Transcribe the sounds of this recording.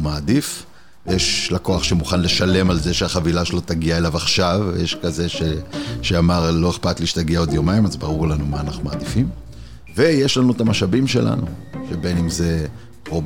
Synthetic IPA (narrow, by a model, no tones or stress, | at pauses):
maːd̪if | vejeʃlako̞aχʃemuχanle̞ʃale̞malzeʃeaχavilaʃelot̪aɡiaelavaχʃavjeʃkaze̞ʃeʃeamaʁlo̞eχpat̪liːʃt̪aɡiao̞d̪jomaimazbaʁuʁlanumaːnaχnumaːd̪ifim | vejeʃlanuet̪amaʃabimʃela̰nṵʃebe̞nimze̞ | ʁo